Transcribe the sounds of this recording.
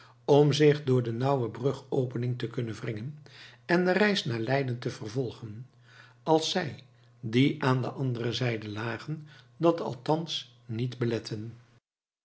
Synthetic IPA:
ɔmzɪχdʊːɹdənɑwəbrɵχowpənɪŋtəkɵnənvrɪŋənɛndərɛjsnaːɹlɛjdəntəvərvɔlˠχən | ɑlˠsɛj | diʔaːndə̰ʔɑndərəzɛjdəlaːχən | dɑtɑ̰lˠtɑns | nitbəlɛtʰən

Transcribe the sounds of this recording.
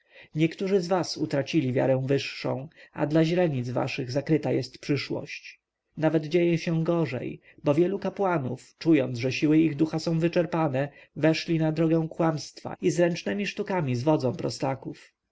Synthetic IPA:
ɲɛkt̪uʐɘzvasut̪ɾat͡ɕilʲivʲja̰ɾɛ̃w̃vɘʂːɔ̰̃w̃a̰d̪laʑlɛɲid̪zva̰ʂɘɣzakɾɘt̪ajɛst̪pʂɘʂwɔ̰ɕt͡ɕ | navɛd̪d͡ʑejɛɕɛ̃ɡɔʐɛ̰j | bɔvʲjɛlukapwanuft͡ʂujɔnt̪zʐɛɕiwɘiɣd̪uxasɔ̃w̃vɘt͡ʂɛɾpanɛ | vɛʂlʲinad̪ɾɔɡɛ̃w̃kwamst̪fa̰izɾɛnt͡ʂnɛmʲiʂt̪ukamʲizvɔd̪zɔ̃w̃pɾɔst̪akuf

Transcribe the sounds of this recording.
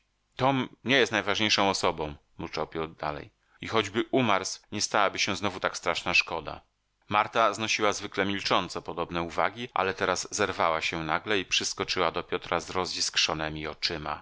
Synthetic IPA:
t̪ɔmɲɛjɛst̪najvaʐɲejʂɔ̃w̃ɔsɔbɔ̃w̃ | mut͡ʂawpʲjɔt̪d̪a̰lɛ̰j | ixɔd͡ʑbɘʔumaɾsɲɛst̪awabɘɕɛ̃znɔvut̪akst̪ɾaʂnaʂkɔd̪a̰ | maɾt̪aznɔɕiwazvɘklɛmʲilt͡ʂɔnt̪sɔpɔd̪ɔbnɛuva̰ɡʲiʔa̰lɛt̪ɛɾazːɛɾvawaɕɛnaɡlɛipʂɘskɔt͡ʂɘwad̪ɔpʲjɔt̪ɾazɾɔziskʂɔnɛmʲiɔt͡ʂɘma̰

